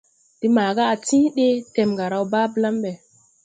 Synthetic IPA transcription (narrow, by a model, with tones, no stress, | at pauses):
d̥i˦maː˨ɡa˦a˨tĩ˦ɗe˦te˨mɡa˨ɾa˨wba˦bla˦mbɛ˨